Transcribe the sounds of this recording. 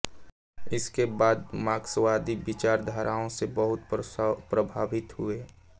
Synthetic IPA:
ɪskebaːd̪maːkswaːd̪ibɪt͡ʃaːɾd̪ʱaːɾʔaːõsebəɦʊt̪pɾəbʱaːʋɪt̪ɦʊeː

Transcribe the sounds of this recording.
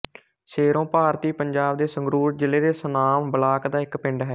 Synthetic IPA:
ʃeːɾõːpaːɾt̪iːpəɲd͡ʒaːbd̪eːsəŋɡɾuːɾd͡ʒɪleːd̪eːsənaːmbəlaːkd̪aːɪkpɪɳɖɦɛː

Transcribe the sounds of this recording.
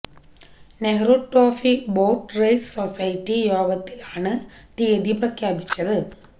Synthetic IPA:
neɦruʈːoːfiboːʈrɐjssosɐjtːijo̞ːɡɐt̪ːilaːɳɨt̪iːd̪iprɐkʰjaːbit͡ɕːɐðɨ

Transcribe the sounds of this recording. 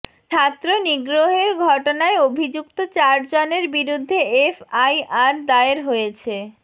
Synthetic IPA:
t͡ɕʰat̪ːɾoniɡɾoɦeɾɡʱɔʈonaeobʱid͡ʑukt̪ot͡ɕaɾd͡ʑoneɾbiɾud̪ʱːeefajaɾd̪aeɾɦojet͡ɕʰe

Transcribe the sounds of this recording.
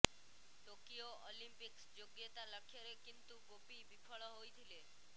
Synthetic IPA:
ʈokijoʔolimpiksd͡ʒoɡjət̪aləkʰjəɾekint̪uɡopibipʰɔɭɔɦojt̪ʰile

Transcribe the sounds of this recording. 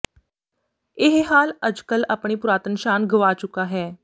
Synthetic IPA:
ɪɦɦaːlɐd͡ʒkəlɐpɽ̃ipʊɾaːt̪ənʃaːnɡʱəʋaːt͡ʃʊkaɦɛː

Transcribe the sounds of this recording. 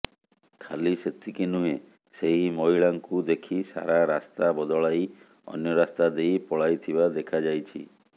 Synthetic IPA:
kʰaliset̪ʰikinuɦe | seɦimɔɦiɭaŋkud̪ekʰisa̰ɾaɾast̪abɔd̪ɔɭaj | ɔ̰njɔɾast̪ad̪ejpɔɭajt̪ʰibad̪ekʰad͡ʒajt͡ʃʰḭ

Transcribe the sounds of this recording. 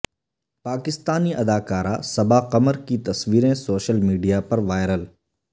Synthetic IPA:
paːkɪst̪aːniʔɐd̪aːkaːɾasɐbaqɐməɾkit̪ɐsʋiːɾẽsoːʃəlmiːɖijapɐɾʋaːɪɾəl

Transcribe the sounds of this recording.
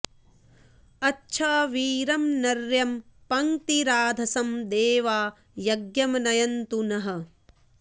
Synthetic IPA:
ɐtːʃʰɐʋiːɾɐmnɐɾjɐmpɐŋt̪iɾaːd̪ʱɐsɐmd̪eːʋaː | jɐɡjɐmnɐjɐnt̪unɐɦɐ̆

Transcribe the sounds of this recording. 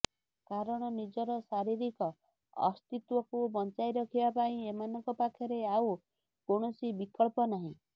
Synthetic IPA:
kaɾɔɽ̃ɔnid͡ʒɔɾɔsaɾiɾikɔ | ɔ̰st̪it̪wɔkubɔnt͡ʃajɾɔkʰibapaĩemanɔŋkɔpakʰjɔɾeaw | koɳ̃ɔsibikɔɭpɔnaɦĩ

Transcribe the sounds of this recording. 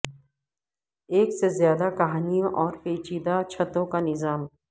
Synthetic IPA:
eːksezjaːd̪akɐɦaːnijõʔɔːɾpeːt͡ʃiːd̪at͡ʃʰɐt̪õkanɪzaːm

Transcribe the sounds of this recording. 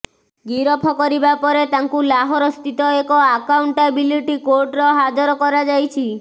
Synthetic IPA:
ɡiɾɔpʰɔkɔɾibapɔɾet̪aŋkulaɦɔɾɔst̪ʰit̪ɔekɔakawɳʈabiliʈikoɾɖɾɔɦad͡ʒɔɾɔkɔɾad͡ʒajt͡ʃʰi

